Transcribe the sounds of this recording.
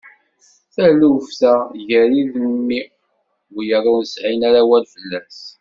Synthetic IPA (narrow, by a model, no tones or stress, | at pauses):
θælufθæʝəɾiðmːi | ɡjərːanəsʕinaɾawælfəlːæs